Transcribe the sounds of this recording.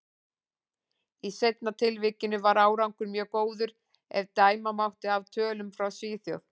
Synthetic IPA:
isejt̪nat̪ʰɪlvɪːcɪnʏvaɾaːwɾawŋkʏɾmjœːɣkoːwðʏɾ | ɛ̰vt̪aːjmamawht̪ɪavt̪ʰœːlʏmfɾawsɪːθjo̰wθ

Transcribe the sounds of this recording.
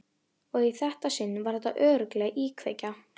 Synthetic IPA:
ɔɣiθɛht̪asɪnːvaɾ̥θɛht̪ːaʔœːɾʏklɛːɣʔiːkʰveːjca

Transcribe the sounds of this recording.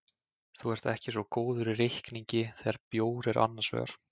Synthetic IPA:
θuɛɾ̥t̪ɛhcɪs̬vɔkoːwðʏɾɪrɪhkniɲcɪθɛːɣaɾpjoːwɾɛɾʔa̰nːansvɛ̰ːɣa̰ɾ̥

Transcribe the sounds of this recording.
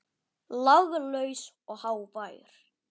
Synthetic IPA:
laɣɣʏlœːɥs | ɔɣhaːwpaːjʏ̰ɾ̥

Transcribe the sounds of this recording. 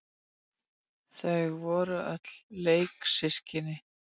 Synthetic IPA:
θœɣvɔːɾʏœt̪lleːjksɪscɪnɪ

